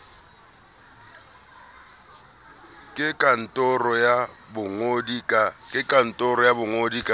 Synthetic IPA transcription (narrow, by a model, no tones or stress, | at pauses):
kʼɪkʼan̩tʼɔrɔjabʊŋodikʼakʼɪkʼan̩tʼɔɾɔjabʊŋodikʼa